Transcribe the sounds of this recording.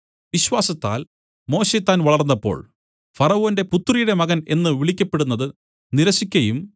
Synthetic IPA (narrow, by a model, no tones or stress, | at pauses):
ʋiɕwaːsɐt̪ːa̰ːl | mo̞ːɕet̪ːaːnʋɐɭɐrnːɐpːo̞̰ːɭ | fɐrɐoːnde̞put̪ːrijuɽe̞mɐɣɐne̞̰nːɨʋiɭikʲːɐpːe̞ɽunːɐðɨ | niɾɐsikʲːɐjum